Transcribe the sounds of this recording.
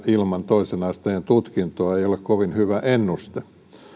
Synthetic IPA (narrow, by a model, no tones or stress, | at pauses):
ilmɑnt̪oisenɑist̪ɑent̪ut̪kint̪oɑeiolekkoʋinhyʋæʔenːust̪e